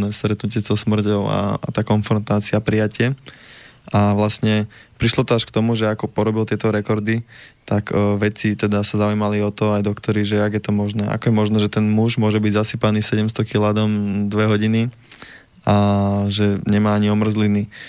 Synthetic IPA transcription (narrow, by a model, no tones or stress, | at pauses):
nɛːst̪ɾɛt̪nucɪɛzɔsmr̩cɔʊa̰a̰t̪aːkɔnfɾɔnt̪aːt͡siapɾijacɪɛ | ʔaʋlastɲɛpɾiʃlɔt̪ɔaʃkt̪ɔmuʒɛakɔpɔɾɔbilt̪ɪɛt̪ɔɾɛkɔɾd̪it̪akʋɛt͡sit̪ɛd̪asazaujmaliɔt̪ɔajd̪ɔkt̪ɔɾiʒɛaɡjɛt̪ɔmɔʒnɛːʔa̰kɔjɛmɔʒnɛːʒɛt̪ɛnmuʒmʊɔʒɛbiɟzasipaniːsɛɟɛmst̪ɔkilaːd̪ɔmd̪ʋɛɦɔɟini | aʒɛɲɛmaːaɲiɔmr̩zlini